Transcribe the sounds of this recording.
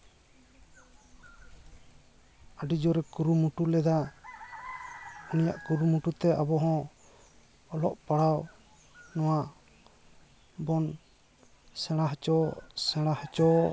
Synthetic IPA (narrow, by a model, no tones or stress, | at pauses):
aɖid͡ʒɔɾɛkuɾumuʈulɛd̪a | unija̰ʔkuɾumuʈut̪ɛʔabɔɦɔ̃ | ɔlɔ̰ʔpaɽaw | nɔwa | bɔn | sɛ̃ɽ̃aɦt͡ʃɔsɛɽ̃aht͡ʃɔ